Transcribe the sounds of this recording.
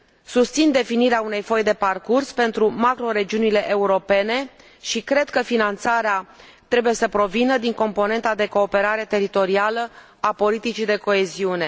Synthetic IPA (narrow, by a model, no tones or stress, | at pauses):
sust̪sind̪e̞finiɾeaune̞jfo̞jd̪e̞parkurspe̞nt̪ɾumakɾo̞ɾe̞d͡ʒiunile̞ʔeuɾo̞pe̞ne̞ | ʃikɾe̞d̪kəfinant̪saɾea | t̪ɾe̞buje̞səpɾo̞vinəd̪iŋko̞mpo̞ne̞nt̪ad̪e̞ko̞ːpe̞ɾaɾe̞t̪e̞ɾit̪o̞ɾialə | apo̞lit̪it͡ʃid̪e̞ko̞e̞ziune̞